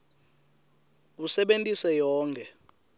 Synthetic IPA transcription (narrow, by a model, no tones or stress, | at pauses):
usɛɓentʼisɛjɔːŋkʰɛ